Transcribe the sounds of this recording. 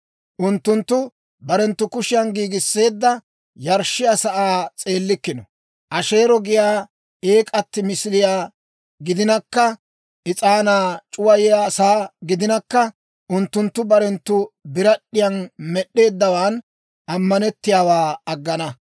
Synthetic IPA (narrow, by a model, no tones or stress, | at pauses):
ʔʊnt̪ːʊnt̪ːʊ | bɐɾɛnt̪ːʊkʊʃɪjɐnɡiːɡɪsːe̞ːd̪ːɐ | jɐɾʃːɪjasɐʔaːt͡sʼe̞ːlːɪkːɪnɔ | ʔɐʃe̞ːɾɔɡɪjaː | e̞ːkʼɐt̪ːɪmɪsɪlɪjaː | ɡɪd̪ɪnɐkːɐ | ʔɪt͡sʼaːnaːt͡ʃʼʊwɐjjasaːɡɪd̪ɪnɐkːɐ | ʔʊnt̪ːʊnt̪ːʊbɐɾɛnt̪ːʊbɪɾɐɗːɪjɐnmɛɗːe̞ːd̪ːɐwaːn | ʔɐmːɐnɛt̪ːɪjaːwaːɐɡːɐnɐ